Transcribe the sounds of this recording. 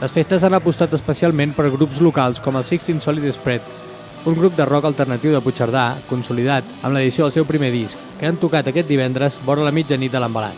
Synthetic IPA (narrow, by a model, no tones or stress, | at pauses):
ləsfest̪əzanəpust̪at̪əspəsialˠmempəɾɣɾupzlukalˠskɔməlˠsikst̪insɔlit̪əspɾɛt̪ | uŋɡɾup̚d̪ərɔkəlˠt̪ərnət̪iwðəput͡ʃəɾð̞akunsuliðat̪ə̰mləðisioðəlˠsɛwpɾimeðiskːəant̪ukat̪əkɛt̪̚d̪iβ̞ɛnd̪ɾəzbɔɾələmid͡ʒənit̪d̪ələmbəla̰t̪